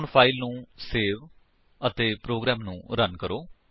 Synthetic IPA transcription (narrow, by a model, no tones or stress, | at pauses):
ɳpʰaːilnũːseːʋ | ət̪eːpɾoːɡɾɛːmnṵ̃ːɾənkəɾoː